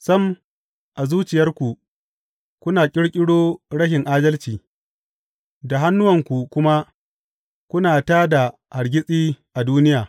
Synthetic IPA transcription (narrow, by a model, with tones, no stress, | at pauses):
sɐ˦m | ʔa˨zuː˦t͡ʃɪ˨jɐ˦rkʷu˨ | kʷʊ˦naː˨kʲʼɪ˦ɽkʲʼɪ˦ɽoː˦ɽɐ˦ʃɪ˨ŋʔaː˦dɐ˦lt͡ʃiː˨ | da˨ɦa˦nːʊ˦wɐ˨ŋkʷu˨kʷʊ˦ma˦ | kʷʊ˦naː˨taː˦da˨ha˨ɽɡʲɪ˦sʼiː˦ʔa˨duː˦nɪ˦jaː˨